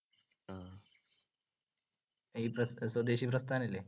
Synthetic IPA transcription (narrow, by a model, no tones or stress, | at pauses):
a | iːpɾɐsəd̪eɕiːpɾɐst̪ʰanile